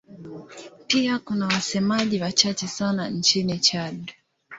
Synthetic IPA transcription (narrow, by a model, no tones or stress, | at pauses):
piakunawasɛmaʄiwat͡ʃat͡ʃɛsanan̩t͡ʃinit͡ʃaɗu